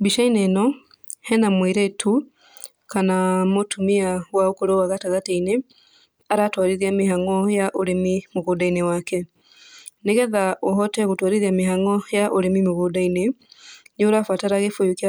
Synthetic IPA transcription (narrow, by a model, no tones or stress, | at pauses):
biʃainɛnɔ | hɛnamwiɾetʰu | kanamotʰumiawaokoɾowaɣataɣateine | aɾatwaɾiɾiamehaŋɔjaʔoɾemimoɣodainewakɛ | neɣɛðaʔoɦɔtɛɣotwaɾiɾiameɦaŋɔjaʔoɾemimoɣodainenoɾafataɾaɣefojokja